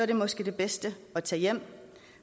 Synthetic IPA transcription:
ɒɐɾ̥e̝mɒ̽sɡ̥ed̥e̝b̥esd̥əɒ̽t͡sʰɛjem̰

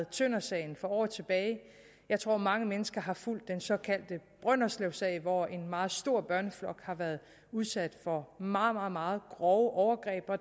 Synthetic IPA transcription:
ð̩ˠt͡sʰønɐsɛɪn̩fɒ̽ɒ̰ːð̩ˠt͡sʰe̝b̥ɛːɪ | jɑ̈ɪt͡sʰʁo̝ɐ̰mɑ̈ŋəmenəsɡ̥ɐɦɑ̈ful̰d̥ːensɒ̽kʰæl̰d̥əb̥ʁɶn̰ɒsleʊsɛ̰ɪʋɒe̝nmɑ̈ːð̞̩ˠsd̥o̝ɐ̰b̥ɶɐnəflɒ̽ɡ̥hɑ̈ʋæɐðˠ | uð̞ˠsæd̥fɒ̽mɑ̈ːð̩ˠmɑ̈ːð̩ˠmɑ̈ːð̞̩ˠɡ̥ʁɒʊəʔɒʊɐɡ̥ʁɛ̰ːb̥ɒ̽

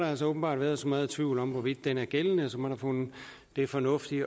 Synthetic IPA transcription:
ɾɑ̈æls̬ɒoːb̥n̩bɑ̰̈ːd̥ʋæːɐðˠsɒ̽mɑð̞ˠt͡sʰʋiʊ̰lɒ̽mʋɒʋid̥ːenæɐɡ̥elnəsɒ̽mɒɾ̥ɑ̈fɔn̩ | d̥e̝fɒ̽nɔ̽fd̥i

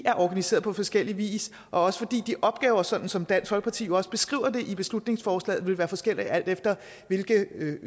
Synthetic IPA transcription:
ʔæɐʔɒɡ̥ænise̝̰ːɐðˠpʰɒ̽fɒ̽sɡ̥el̰iʋḭːs | ʔɒ̽ɒ̽sə̥fɒ̽d̥ḭːd̥iʔɒ̽b̥̚ɡ̥ɛːʊɐsɒ̽d̥n̩sɒ̽md̥æn̰shɒ̽lɡ̥pʰɑ̈t͡sʰḭːjoɒ̽sə̥b̥e̝sɡ̥ʁḭːʊɐd̥e̝ʔib̥e̝slud̥ne̝ŋsfɒːslɛ̰ːð̩ˠʋe̝lʋæːɐfɒ̽sɡ̥el̰iæl̰d̥efd̥ɐ | ʋe̝lɡ̥ə

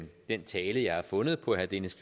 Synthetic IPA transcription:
d̥ent͡sʰɛːləjɑ̈ɪhɑ̈fɔ̽nəð̞̩ˠpʰɒ̽æhæd̥e̝nəsf

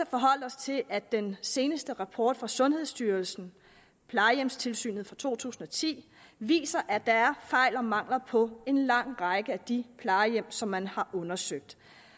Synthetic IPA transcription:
æfɒ̽ɦɒ̽l̰ɒ̽st͡sʰe̝lʔæd̥ense̝ːnəsd̥əʁɑ̈pʰɒ̰ːd̥fʁɑ̈sɔ̽nhe̝ð̰ˠsd̥yːɐlsn̩ | pʰlɑ̈ɪjem̰st͡sʰe̝lsy̰ːnð̞̩ˠfʁɑ̈t͡sʰo̝̰ːt͡sʰṵːsn̩ɒ̽t͡sʰḭː | ʋḭːsɐʔæ̥d̥ɑæɐfɑ̈ɪ̰lɒ̽mɑ̈ŋ̰lɐpʰɒ̽e̝nlɑ̈ŋ̰ʁɑ̈ɪɡ̥əæd̥ipʰlɑ̈ɪjem̰sɒ̽mːænhɑ̈ʔɔ̽nɐsøɡ̥̚d̥

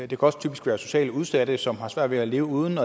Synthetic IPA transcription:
d̥e̝kʰæɒ̽st͡sʰyːb̥isɡ̥ʋæːɐso̝ɕɛ̰ːləuð̞ˠsæd̥əsɒ̽mhɑ̈sʋæɐd̥ʋe̝æle̝ːʊəuːð̞ˠən̩ɒ

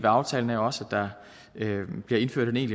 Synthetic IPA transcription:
ʋeɑ̈ʊt͡sʰɛ̰ːln̩æɐjo̝ɒ̽sæd̥ɑ̈ | b̥liɐe̝nfø̰̥ene̝̰ːnli

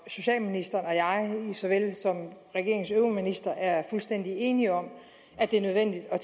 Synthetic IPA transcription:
so̝ɕɛ̰ːlminisd̥ɐːnɒ̽jɑ̈ɪisɒʋelsɒ̽mʁɛɡ̥e̝ɐ̰eŋsøminisd̥ɐʔæɐfulsd̥en̰d̥ie̝ːniɒ̽m | æd̥e̝ɐnøð̞ˠʋen̰d̥id̥ɒ̽

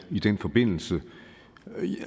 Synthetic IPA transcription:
id̥enfɒ̽b̥e̝n̰l̩sə

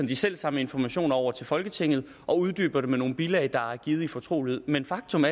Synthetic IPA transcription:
ɒ̽md̥isel̰sɑ̈məe̝nfɒmæɕo̝̰ːnɒʊ̰ɐt͡sʰe̝lfɒ̽lɡ̥ət͡sʰe̝ŋ̰ð̞̩ˠ | ʔɒ̽uð̞ˠd̥y̰ːb̥ɐɾe̝meno̝ːn̩b̥ilɛɪd̥ɑ̈æɐɡ̥iːð̩ˠifɒ̽t͡sʰʁo̝̰ːlhe̝ð̩ˠmenfɑ̈ɡ̥̚t͡sʰɔ̽mæ

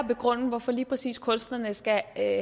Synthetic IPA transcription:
be̝ɡ̥ʁɔ̽n̰n̩ʋɒfɒ̽liːpʰʁɛsḭːskʰɔ̽nsd̥lɐnəsɡ̥æ

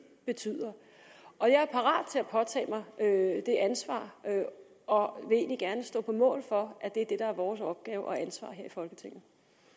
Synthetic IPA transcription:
b̥e̝t͡sʰy̰ːð̰ˠɐ | ʔɒ̽jɑ̈æɐpʰɑ̈ʁɑ̰̈ːd̥̚t͡sʰe̝læpʰɒ̽t͡sʰɛ̰ːmɑ̈ɪød̥e̝ʔænsʋɑ̰̈ːø | ɒ̽ʋe̝e̝̰ːnliɡ̥æɐnəsd̥ɔ̰̽ːpʰɒ̽mɔ̰̽ːlfɒ̽ʔæd̥e̝æɐd̥e̝ɾ̥ɑ̈æɐʋɒːsɒ̽b̥ɡ̥ɛːʊʔɒ̽ænsʋɑ̰̈ːɦeɐ̰ifɒ̽lɡ̥ət͡sʰe̝ŋ̰n̩

